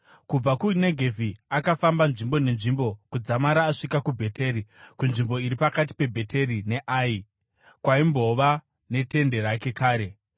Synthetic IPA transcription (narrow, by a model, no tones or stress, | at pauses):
kub͡vakuneɡʱe̞vʱiakafambanʐimbo̞ne̞nʐimbo̞kud͡zamaɾaːʂikakubʱe̞tʰe̞ːɾikunʐimbo̞iɾipakat̬i̥pe̞bʱe̞te̞ɾine̞ʔai | kwaimbo̞ʋa | ne̞te̞nde̞rake̞kaːɾe̞